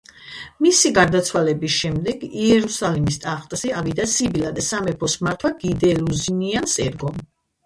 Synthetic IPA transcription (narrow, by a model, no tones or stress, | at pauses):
misiɡaɾd̪at̪sʰwalɛbisʃɛmd̪ɛɡiɛɾusalimist̪ʼaχt̪ʼsiavid̪asibilad̪asamɛpʰɔsmaɾt̪ʰwaɡid̪ɛluziniansʼɛɾɡɔm